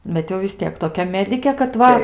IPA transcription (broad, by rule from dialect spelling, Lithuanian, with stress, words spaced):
ˈbʲɛt jɛʊ ʋʲɪs ˈtʲiɛk toːˈkʲɛ ˈmʲæːdʲɪkʲeː kɐt ˈʋɐ